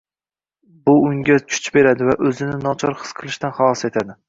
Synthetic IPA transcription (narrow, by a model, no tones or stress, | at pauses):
bʊʊŋɡʲat͡ʃʰʊ̥t͡ʃbe̞ɾad̪ɪvaʔɵzɪnɪnɒt͡ʃʰɒɾχɨ̥sqʰɨlˠɪʃt̪anχɑlˠɒse̞t̪ʰad̪ɪ